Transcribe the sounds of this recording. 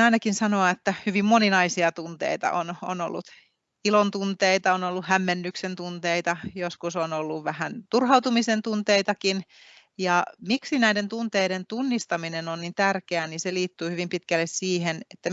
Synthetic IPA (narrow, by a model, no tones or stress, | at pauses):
ɑinɑkinsɑnoɑet̪ːæhyʋimmoninɑisiɑt̪unt̪ḛit̪ɑ̰ʔo̰no̰no̰lːṵt̪ | ilont̪unt̪eit̪ɑonolːuhæmːenːyksent̪unt̪eit̪ɑjoskusonolːuʋʋæhænt̪urhɑut̪umisent̪unt̪eit̪ɑkin | jɑmiksinæident̪unt̪eiɾent̪unːist̪ɑminenonnint̪ærkeæniseliːt̪ːyːhyʋimpit̪kælːessiːhenet̪ːæ